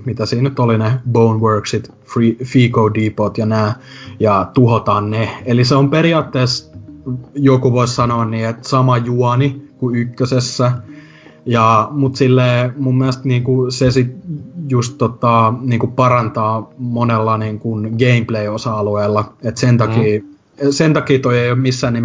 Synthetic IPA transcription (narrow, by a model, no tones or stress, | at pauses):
mit̪æsiːnnyt̪olinebounʋøːˑksit̪ | fifiːkoudiːpot̪jɑnæː | jɑt̪uhot̪ɑːnneeliseompeɾiɑːt̪ːeːs | jokuʋoissɑnoːnniːet̪sɑmɑjuɑnikuykːøsesːæ | jɑmut̪silːeːmumːiælst̪niːŋkusesit̪just̪tot̪ɑniːŋkupɑrɑnt̪ɑːmonelːɑniːŋkunɡeimpleiosɑɑlueːlːɑet̪sent̪ɑkiː | sent̪ɑkiːt̪oieioːmmisːæːnnim